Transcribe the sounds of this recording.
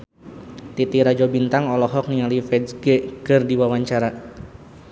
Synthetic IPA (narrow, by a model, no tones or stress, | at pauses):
t̪it̪iɾad͡ʒɔbint̪aŋɔlɔɦɔk̚nialifɛdɡɛkɨrdiwawaɲt͡ʃaɾa